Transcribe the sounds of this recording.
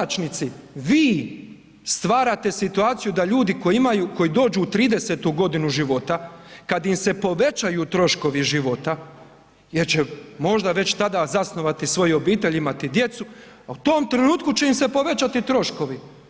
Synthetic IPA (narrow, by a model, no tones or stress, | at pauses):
t͡ʃnit̪siʋiː | st̪ʋaːɾat̪e̞sit̪uaːt̪sijud̪aʎuːd̪iko̞iimajuːko̞jid̪o̞ːd͡ʒuːt̪ɾiːd̪e̞set̪uɡo̞d̪inuʒiʋo̞t̪akad̪imse̞po̞ʋe̞t͡ʃajut̪ɾo̞ʃko̞ʋiʒiʋo̞t̪a | jeɾt͡ɕemo̞ʒd̪aʋe̞t͡ɕt̪ad̪aːzasno̞ʋat̪isʋo̞jo̞biːt̪e̞ʎimat̪id̪je̞t̪suaut̪o̞ːmt̪ɾenuːt̪̚kut͡ɕe̞imse̞po̞ʋe̞t͡ɕat̪it̪ɾo̞ʃko̞ʋi